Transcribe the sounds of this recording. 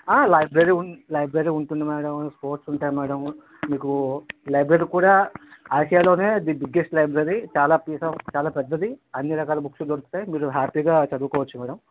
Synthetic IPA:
aːlɐjbɾeɾiulɐjbɾeɾiːuɳʈund̪imaːɽɐmspoːɾʈsuɳʈaːjmaːɽɐm | miːkulɐjbɾeɾikuːɽaːaːjʂɐjaːlo̞ːne̞ːd̪ibiɡːesʈlɐjbɾeɾit͡ʃaːlaːpiːsɐt͡ʃaːlaːpɛd̪ːɐd̪iɐnːiɾɐkaːlɐbuksud̪oɾust̪ːaːimiːɾuɦaːpiːɡaːt͡ʃɐd̪uːkɔːʋɐt͡ʃːumɐːɽɐm

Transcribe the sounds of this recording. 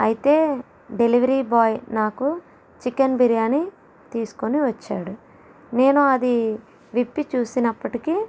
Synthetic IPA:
ɐjit̪e̞ː | ɖe̞liʋɐɾiːbaːjnaːku | t͡ʃikɐnbiɾijaːni | t̪iːsu̥koniʋɐt͡ʃːa̰ːɽu | ne̞ːnuɐd̪i | ʋipːit͡ʃuːsinɐpːɐʈiki

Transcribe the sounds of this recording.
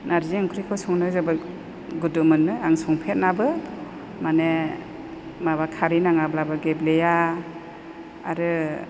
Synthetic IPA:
naɾziaŋkʰɾikʰɔsɔŋnɯzɯbɯ | ɡudɯmɯnːɯaŋsɔŋpʰet̚nabɯ | mane | maβakʰaɾinaŋablabɯɡebleja | aɾɯ

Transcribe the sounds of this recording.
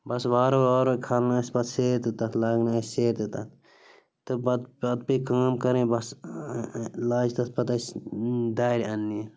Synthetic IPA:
bɐsʋaːɾoʋaːɾokʰɐlnaːsbɐt̪seːɾt̪ɨt̪ɐt̪lɐɡnasʲseːɾt̪ɨt̪ɐt̪ | t̪ɨbɐd̪bɐd̪̚pikaːmkɐɾẽːbɐs | laːd͡ʒt̪ɐspɐt̪ɐsd̪aːɾʲɐnːi

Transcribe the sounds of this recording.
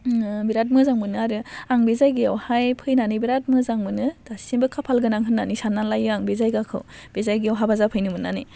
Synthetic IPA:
biɾat̬̚mɯzaŋmɯnɯaɾɯaŋbezajɡijawhajpʰɯjnanɯbiɾat̚mɯzaŋmɯnɯd̥asimbɯkʰapʰalɡɯnaŋɦɯnːanisanːanlajɯaŋbezajɡakʰɯ̰wb̥ezajɡijawɦabazapʰɯjnɯmɯnːa̰ne

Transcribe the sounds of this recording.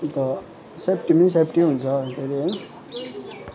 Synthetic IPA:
t̪ʌ | sepʈimins̬epʈiɦunt͡sʰʌkʰeɾi

